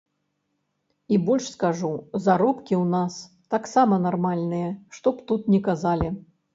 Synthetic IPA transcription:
ibɔlʲʂskaʐuzaɾɔpkʲiwnas | t̪aksamɐnarmalʲnɨjɛʂt̪ɔpt̪ut̪nʲɛkazalʲi

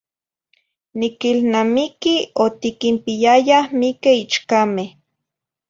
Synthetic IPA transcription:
nikilnamikiot̪ikimpijajahmikeit͡ʃkameh

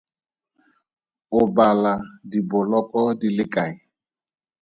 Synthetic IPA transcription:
ʊbaladibʊlɔkʼɔdilɪkʼaɪ

